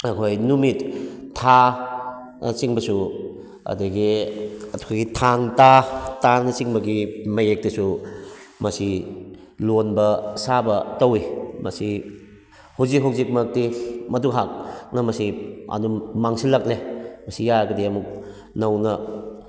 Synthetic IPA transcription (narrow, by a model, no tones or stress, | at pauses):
ɐkʰojnumitʰːa | t͡ʃiŋbɐsu | ɐ̰dɐɡiɐtʰkʰojɡitʰaŋtatanɐt͡ʃiŋbɐɡimɐjek̚tɐsu | mɐsi | lonbɐsabɐtɐwimɐ̰si | hawzik̚ɦawzik̚mɐk̚timɐdukɦak̚nɐmɐsiɐ̰nummaŋsilɐk̚lemɐsijaɾɡɐdiɐmuk̚ | nɐwnɐ